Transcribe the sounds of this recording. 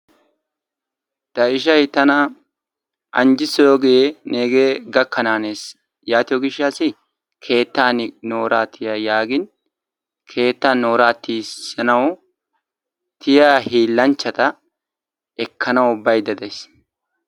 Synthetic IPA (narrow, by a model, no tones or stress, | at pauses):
t̪ɐɪʃɐjt̪ɐnɐ | ʔɐ̰nd͡ʒɪsjoːɡene̞ːɡeːɡɐkːɐnaːneːs | jaːt̪ɪjɔɡɪʃːaːsɪ | kʰe̞ːt̪ːaːnno̞ːɾaːt̪ʰɪjajaːɡɪn | kʰe̞ːt̪ːaːnːoːɾaːt̪ːiːsɐnɐw | t̪ʰɪjaːhiːlːɐnt͡ʃːɐt̪ɐ | ɛkʰːɐnɐwʊbːɐjd̪ɐd̪ɐjs